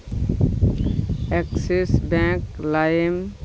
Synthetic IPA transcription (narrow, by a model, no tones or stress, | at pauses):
ɛksesbɛ̃klajem